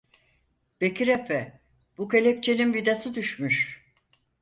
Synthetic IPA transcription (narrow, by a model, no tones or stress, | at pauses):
b̥ekʰiɾɛfɛ | b̥ukalʲep̚t͡ʃʰeninvid̪asɯd̪yʃmyʃ